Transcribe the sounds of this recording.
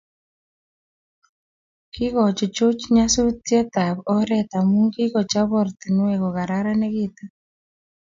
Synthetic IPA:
ki˦ɣɔ˨t͡ʃɔ˨t͡ʃo˦t͡ʃɲa˦su˦tja˦ta˨βɔ˦ɾɛ˦ta˨mu˦ŋɡi˦ɣɔ˨t͡ʃa˦βɔ˦˨ɾti˨nwɛ˨ɣɔ˨ɣa˨ɾa˦ɾa˦ne˦ɣi˦ta˦

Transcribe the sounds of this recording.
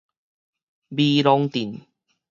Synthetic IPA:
biː˧lɔ˧ŋt̪i˨˩n

